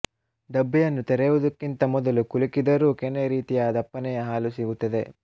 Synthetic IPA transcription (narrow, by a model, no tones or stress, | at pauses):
ɖɐbːijɐnːut̪ɛɾɛjʋud̪ɐkːint̪ɐmɔd̪ɐlukulikid̪ɐɾuːkɛnːeɾiːt̪ijaːd̪ɐpːɐnɛjɐɦaːlusiɡut̪ːɐd̪e̞